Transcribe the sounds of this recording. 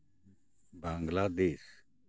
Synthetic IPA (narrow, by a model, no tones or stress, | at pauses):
bãŋɡlaːd̪eːs